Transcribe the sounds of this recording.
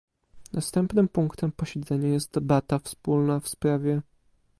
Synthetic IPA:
nʔast̪ɛmpnɘmpuŋkt̪ɛmpɔɕɛd̪zɛɲajɛst̪̚d̪ɛbat̪afspulnafspɾavʲjɛ

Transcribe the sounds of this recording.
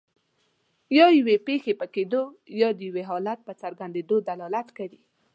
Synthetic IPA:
jɑjwepexepəked̪ojɑd̪əjweɦɑlat̪̚pət͡saɾɡand̪ed̪od̪alɑlat̪kawi

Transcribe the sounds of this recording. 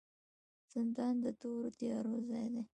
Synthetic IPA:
z̥ɪnd̪ɑnd̪ət̪oɾot̪jɑɾozɑjd̪e

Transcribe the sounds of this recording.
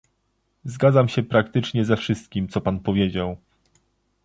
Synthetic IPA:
zɡad̪zamɕɛpɾakt̪ɘt͡ʂɲɛzɛfʂɘst̪̚kʲimt̪sɔpanpɔvʲjed͡ʑaw

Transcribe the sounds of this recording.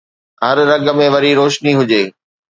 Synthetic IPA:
ɦɐɾːɐɠəmẽʋɐɾiɾoːʃniɦʊd͡ʑeː

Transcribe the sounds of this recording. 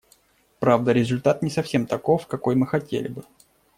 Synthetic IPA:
pɾavd̪əɾʲɪzʊlʲt̪at̪̚nʲɪsɐfsʲe̞mt̪ɐkofkɐko̞jmɨxɐtʲḛlʲɪ̰bɨ

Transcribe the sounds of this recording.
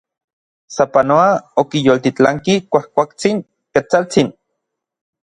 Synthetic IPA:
sapanoaokijoːlt̪it͡ɬaŋkikʷahkʷakt͡siŋ | ket͡salt͡sin

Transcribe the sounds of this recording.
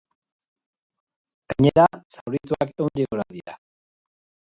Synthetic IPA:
ɡ̥aɲeɾasawɾit̪uakewnʎiɣoɾaðia̰

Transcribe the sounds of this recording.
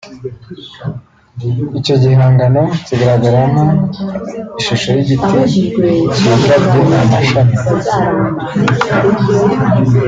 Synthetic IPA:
ico̞ɟihaːŋɡano̞ciɡaɾaɡaɾaŋo | iʃuʃojiɟitʰe | akabɟonamaʃani

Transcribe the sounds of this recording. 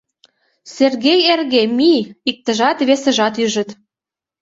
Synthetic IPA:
serɣejerɣemiik̚t̪ə̆ʒɑt̪βesə̆ʒɑt̪yʒə̆t̪

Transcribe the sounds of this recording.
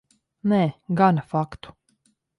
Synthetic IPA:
nɛːɡanfakt̪u̥

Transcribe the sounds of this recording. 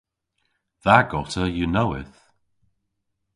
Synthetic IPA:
ðaɡɔtəjənoʊɪ̰θ

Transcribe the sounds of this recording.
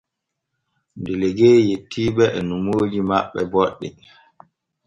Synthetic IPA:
ndɛlɛɡeːjetʰːiːɓɛʔɛnumoːd͡ʒimaɓːɛ̰bɔɗːɛ

